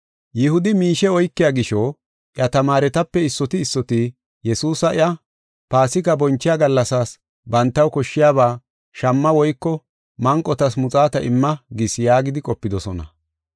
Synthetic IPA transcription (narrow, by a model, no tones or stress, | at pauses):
jɪhʊd̪ɪmiːʃɛɔjkːɪjaɡɪʃɔː | ʔɪjɐt̪ɐmaːɾɛt̪ɐpːɛɪsːɔt̪ɪːsːɔt̪ɪ | jɛsuːsɐʔɪ̰jʔɐ | paːsɪkːɐbɔnt͡ʃːɪjaːɡɐlːɐsaːs | bɐnt̪ːɐwkɔʃːɪjaːβaː | ʃɐmːɐwɔjkːɔ | mɐŋkʼːɔt̪ɐsmʊt͡sʼaːt̪ɐʔɪmːɐɡɪsjaːɡɪd̪ɪkʼɔpːɪd̪ɔsɔnɐ̰